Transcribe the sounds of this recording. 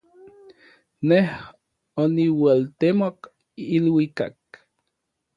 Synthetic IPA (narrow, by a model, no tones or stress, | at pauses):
neh | oniwalt̪emok | ilwika̰k